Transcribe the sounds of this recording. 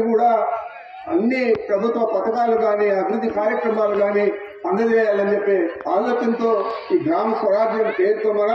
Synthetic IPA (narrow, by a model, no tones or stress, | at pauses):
kuːɽaː | ɐnːipɾɐbʱut̪ʋɐpɐt̪ɐkaːlɐɡaːniɐbʱiɾud̪ʱːikaːɾjɐkɾɐmaːlɐɡaːni | pɐnd̪ɐd͡ʒɛːjaːlɐnt͡ʃepːeːaːloːt͡ʃɐnt̪oːiːɡʱɾaːmɐsʋɐɾaːɾd͡ʒjɐmpeːɾuk̪oːmɐnɐ